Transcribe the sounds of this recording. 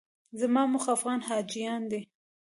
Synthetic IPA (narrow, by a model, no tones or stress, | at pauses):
zamɑmʊxafɣɑnhɑd͡ʒijɑnd̪e